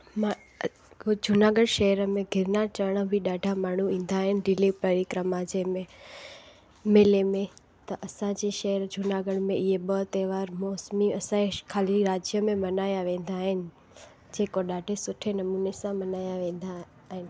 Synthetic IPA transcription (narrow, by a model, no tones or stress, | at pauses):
ma | d͡ʑʱʊnaːɡəɽʃɐɦəɾəmẽɡʱɪɾnaɾt͡ɕəʋɽ̃əbʱiɗaːɖʱamaːɳ̤uĩːn̆d̪aːɦɪnɪɖɪlipɐɾikɾəmad͡ʑemẽ | meːlemẽ | t̪ɐʔɐsãd͡ʑeʃɐɦəɾd͡ʑʱʊnaːɡəɽmẽʔɪɦeɓət̪eːʋaːɾmɔːsmiɐsãkʰaːliɾaːd͡ʑjəmẽmɐnaːjaʋẽːn̆d̪aːɦɪnɪ̆ | d͡ʑeːkoɗaːɖʱesʊʈʰenɐmuːnesãmɐnaːjaʋẽːnd̪a | ɦɪnɪ̆